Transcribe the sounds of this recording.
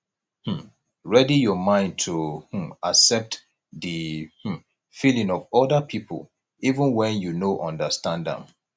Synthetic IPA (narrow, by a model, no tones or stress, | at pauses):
h̩ | ɹɛdijɔmãɪ̃nd̚tʰuh̩aksɛp̚t | ðih̩ | filĩŋɔvɔdapʰipʰə̰l | ivə̃nwɛ̃njunoʔɔ̃ndəstãndə̰̃m